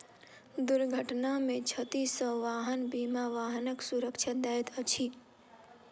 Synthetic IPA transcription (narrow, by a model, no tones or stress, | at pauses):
d̪ʊɾɡʱəʈnamẽt͡ʃʰət̪isə̃ʋaːɦənbimaʋaɦnəksuɾəkʃʰad̪ajt̪ət͡ʃʰi